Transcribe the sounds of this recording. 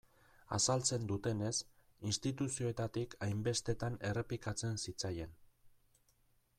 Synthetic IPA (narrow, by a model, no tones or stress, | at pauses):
a̰salt͡se̞nd̪ut̪e̞ne̞s | inst̪it̪usio̞et̪at̪ikajmbe̞st̪e̞t̪ane̞re̞plikat͡se̞nsit͡saje̞n